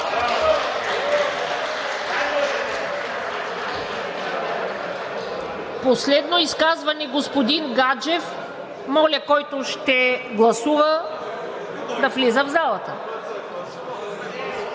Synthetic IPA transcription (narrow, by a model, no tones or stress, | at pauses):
poslɛd̪noiskazvɐnɛɡospod̪inɡad͡ʒɛf | mɔlʲɐkɔjt̪oʃt̪ɛɡlˠɐsuvə | d̪ɐflizəvzalˠɐt̪ə